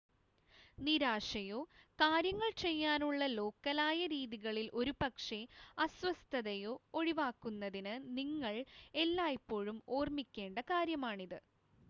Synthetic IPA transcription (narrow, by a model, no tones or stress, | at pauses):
niɾaːʂɐjoːkaːɾjɐŋːɐɭt͡ɕe̞jːaːnuɭːɐlo̞ːkːɐlaːjɐɾiːðiɣɐɭilʔo̞ɾupɐkʂe̞ɐswɐst̪ʰɐðɐjo̞ːoɻiʋaːkːunːɐðinɨniŋːɐɭe̞lːaːjipːo̞ːɻumo̞ːrmikʲːe̞ːɳɖɐkaːɾjɐmaːɳiðɨ